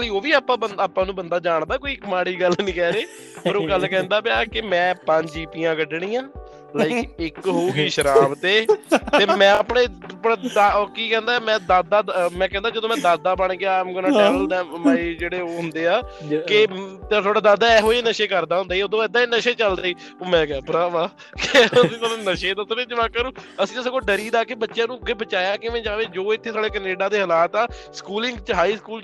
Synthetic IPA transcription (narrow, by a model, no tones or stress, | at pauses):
liːoːʋiːaːpːãːbəaːpːãːnũːbənd̪aːd͡ʒaːɳd̪aːkoːiːkmaːɽiːɡəlnĩːkɛːɾeː | oːɾõːɡəlkɛ̃ːnd̪aːbjaːkɪmɛ̃ːpəɲd͡ʒiːpijãːɡəɖɳĩːãː | laːɪkɪkɦoːuːɡiːʃəɾaːbt̪eːt̪eːmɛ̃ːəpɳeːpːd̪akiːkɛ̃ːnd̪aːmɛ̃ːd̪aːd̪aːd̪mɛ̃ːkɛ̃ːnd̪aːd͡ʒəd̪õːmɛ̃ːd̪aːd̪aːbəɳɡɪaːmɡənãːʈɛːəld̪ɛːmaid͡ʒeːɽeːoːɦʊnd̪eːaːkɪt̪et̪ʰoaːɖaːd̪aːd̪aːɛːɦoːiːnəʃeːkəɾd̪aːɦʊ̃nd̪aiːoːd̪õːɪd̪ːãːiːnəʃeːt͡ʃəld̪aːiː | oːmɛ̃ːɡaːpɾaːʋaː | kəsĩːt̪oːd̪ːnəʃeːd̪əsɾeːd͡ʒəʋaːkaːnũːəsĩːəskoːɖəɾiːd̪aːkeːbətːʃjãːnũːɡebət͡ʃaːjaːkɪmɛ̃ːd͡ʒaːʋeːd͡ʒoːɪt̪ʰːeːsaːɽeːkəneːɖaːd̪eːɦəlaːt̪aːskuːlɪ̃ŋɡt͡ʃəɦaːiːskuːl